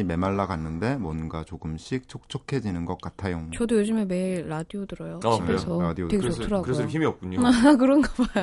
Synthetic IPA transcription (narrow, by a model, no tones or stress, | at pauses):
ime̞maɭːaɡanːɯnde̞mwʌnɡat͡ɕoɡɯmɕʰik̚t͡ɕʰok̚t͡ɕʰokʰe̞d͡ʑinɯnɡʌk͈̚atʰajot͡ɕʌdojod͡ʑimeme̞iɭːadiodɯɾʌjoaesʰʌɾadioeɡesotʰɯɾaɡkɯɾesʌçimiʌp̚k͈uɲoakɯɾʌnɡʌba